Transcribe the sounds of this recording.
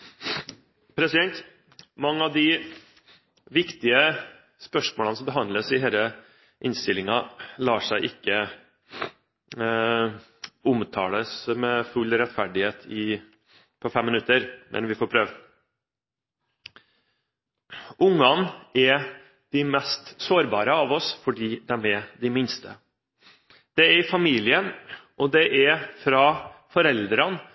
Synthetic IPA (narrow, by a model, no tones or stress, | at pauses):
pʰɾɛsɪd̪ɛnt̪ | mɑŋːəɑʋd̪ɪ | ʋɪkt̪ɪə | spœʂmoːlənəsɔmbəɦɑnd̪ləsɪɦeːlə | ʔɪnst̪ɪlɪŋɑlɑːʂæɪʔɪkːə | ʊmt̪ʰɑːləsmɛfʉlɾɛt̪fæɖɪheːt̪ʰɪ | pʰɔfɛmːɪnʉt̪ːəɾmʔɛ̰nʋɪfɔːɾpʰɾøːʋ | ʔʊŋːɑnʔɛɾ | d̪̥ɪmɛst̪soːɾbɑːɾəɑʋɔsfɔɖiːd̪æmɛd̪ɪmɪnst̪ə̰ | d̪̥ɛæɾɪfɑmiːlɪənʔɔd̪ɛʔæɾfɾɑːfɔɾɛld̪ɾɑn